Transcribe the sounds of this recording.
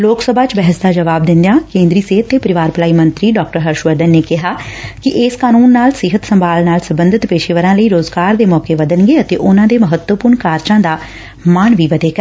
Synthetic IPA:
loːksəbʱaːt͡ʃbɛɦəsd̪aːd͡ʒəʋaːb̚d̪ɪ̃nd̪ejãːkẽːnd̪ɾiːseːɦət̪ːeːpəɾɪʋaːɾpəlaːiːmənt̪ɾiːɖɔːk̚ʈəɾɦəɾʃʋəɾd̪ənːeːkɪɦaːkɪʔɪskaːnuːnːaːlsɪɦət̪səmbʱaːlnaːlsəmbənd̪ɪt̪peːʃeʋəɾãːləiːɾoːzɡaːɾd̪eːmɔːkeːʋəd̪ənɡeːət̪ḛːʔʊnãːd̪eːməɦət̪wəpʊɾɳkaːɾt͡ʃãːd̪aː | maːnʋiːʋəd̪eːkəɾ

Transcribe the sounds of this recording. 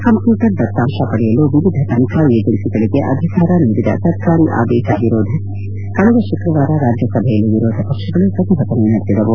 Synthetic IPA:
kɐmpjuːʈɐɾd̪ɐt̪ːaːʃɐpɐɽɛjɐluʋiʋid̪ʱɐt̪ɐnt̪ɾajeːd͡ʒɐlsiɡɐɭiɡeʔɐd̪ʱikaːɾɐniʋid̪ʱɐ̰t̪ɐɾkaːɾiʔa̰ːd̪ɛːʃɐʋiɾoːd̪ʱe | kɐɭuɡ̪ɐʃukɾɐʋaːɾɐɾaːd͡ʒjɐsɐbʱejɐlːiʋiɾoːd̪ʱɐpɐkʂɐɡɐɭupɾɐt̪iɦɐt̪ɐnenɐɽt̪id̪ɐʋu

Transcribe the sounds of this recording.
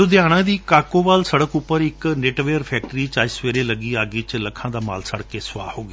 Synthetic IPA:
od̪ɪjaːɽ̃ãːd̪iːkaːkoːʋaːlsəɽəkʊpːəɾɪkneːʈʋeːəɾpʰɛːk̚ʈɾiːt͡ʃaːisʋeːɾeːləɡiːaːɡiːt͡ʃləkʰːãːd̪aːma̰ːlsəɽkeːsʊʋa̰ːhoːɡaː

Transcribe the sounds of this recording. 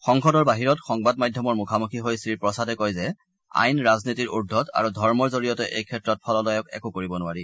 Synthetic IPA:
xɔŋkɔdɔɹbaɦiɹɔtxɔŋbadmajdʱjɔmɔɹmukʰamukʰiɦojsɹiɹpɹɔsadɛkɔjzɛ | a̰jnɹaznitiɹudʱːɔta̰ɹudʱɔɹmɔɹzoɹijɔtɛʔḛjkʰɛtɹɔt̚pʰɔlɔlɔjɔkɛ̰kʊkoɹibɔnʊaɹi

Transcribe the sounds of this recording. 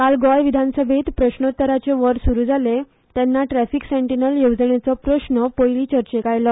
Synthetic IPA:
kalɡɔjʋid̪ʱansəbʱet̪pɾəɕɳot̪ːəɾat͡seʋəɾsuɾuːd͡zʱale | t̪ɛnːaʈɾæfikseɳʈinəljowd͡zəɳjet͡sɔpɾəɕɳəpojliːt͡ɕəɾt͡ɕekajlɔ

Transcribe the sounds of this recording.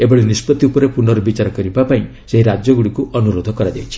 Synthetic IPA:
ebɔɭenispɔt̪iupɔɾepuɳɖɔɾɔbit͡ʃaɾɔkɔɾibapaĩ | seɦiɾad͡ʒjɔɡuɽikuʔɔnuɾod̪ʱɔkɔɾad͡ʒajt͡ʃʰi̥

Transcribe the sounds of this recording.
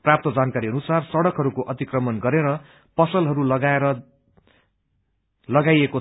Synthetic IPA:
prap̚t̪ʌd͡zankaɾiʌnusarsʌɽʌkɦʌɾukoʔʌt̪ikrʌmʌnɡʌɾeɾʌ | pʌsʌlɦʌɾulʌɡaeɾʌ | lʌɡajeko

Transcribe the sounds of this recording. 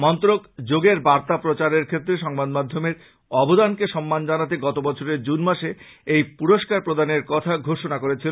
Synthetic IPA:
mɔnt̪oɾokd͡ʑoɡeɾbaɾt̪apɾot͡ɕaɾeɾkʰet̪ːɾeʃɔŋbad̪mad̪ʱːomeɾ | ɔbod̪ankeʃɔmːand͡ʑanat̪̬eɡɔt̪obɔt͡ɕʰoɾeɾd͡ʑunmaʃe | ejpuɾoʃkaɾpɾod̪aneɾkɔt̪ʰaɡʱoʃonakoɾet͡ɕʰil

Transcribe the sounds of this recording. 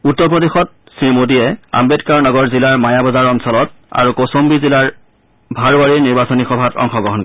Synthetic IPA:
utːɔɹpɹɔdexɔt̚ | siɹmodijɛa̰mbetkaɹnɔɡɔɹzilaɹmajabɔzaɹɔnsɔlɔt̚a̰ɹukosombizilaɹ | bʱaɹbaɹiɹniɹbasɔnixɔbʱatɔ̰ŋxɔɡɹɔɦɔnkɔɛ

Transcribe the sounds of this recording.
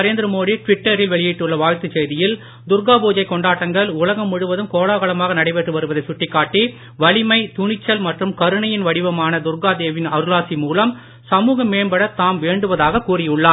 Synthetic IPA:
ɐɾeːnd̪ɪɾɐmoːðiʈʋɪʈːɐɾɪlʋɛɭɪjɪʈːɯɭːɐʋaːɻt̪ɯt͡ʃɛjðɪjɪl | d̪ʊɾɡaːbuːd͡ʒɐɪkɔɳɖaːʈːɐŋɡɐɭʊlɐɣɐmːʊɽɯʋɐðɯmkoːɭaːɣɐɭɐmaːɣɐnɐɽɐɪʋeʈrɯʋɐɾɯʋɐðɐɪsʊʈːɪkːaːʈːi | ʋɐɭɪmɐɪt̪ʊɳɪt͡ʃːɐlmɐʈrɯmkɐɾɯɳɐjɪnʋɐɽɪʋɐmaːnɐd̪ʊɾɣaːd̪eːʋɪnɐɾɯlaːsimuːlɐm | sɐmuːɣɐmːeːɳbɐɽɐt̪aːmʋeːɳɖɯʋɐðaːɣɐkuːrɪjʊɭːaː

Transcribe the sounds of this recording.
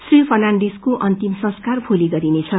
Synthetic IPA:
sripʰʌrnaɳɖeskoʔʌnt̪imsʌ̃skarpʰoliɡʌɾinet͡sʰʌ

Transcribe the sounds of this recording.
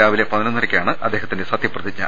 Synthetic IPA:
aːʋilepɐðɐnɐnːɐɾɐkʲːijaːɳɨʔɐd̪ːe̞ːɦɐt̪ːindesɐt̪jɐprɐt̪it͡ɕːɐ̰

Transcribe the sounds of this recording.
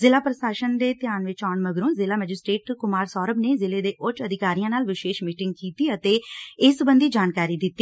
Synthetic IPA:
zɪlaːpɾəsaːʃənd̪eːt̪ɪjaːnʋɪt͡ʃaːɳməɡɾũːzɪlaːmɛːd͡ʒɪsʈɾeːʈkʊmaːɾsɔːɾəbneːzɪleːd̪eːʔʊt͡ʃəd̪ɪkaːɾijãːnaːlʋɪʃeːʃmiːʈɪŋɡ̚kiːt̪iːət̪eːɪsbənd̪iːd͡ʒaːnkaːɾiːd̪ɪt̪ːiː

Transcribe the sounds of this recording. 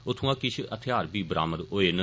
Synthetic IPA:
ʊt̪ʰũːãːkɪt͡ʃʰət̪ʰɪjaːɾbiːbəɾʔa̰ːməɾoːeːnə

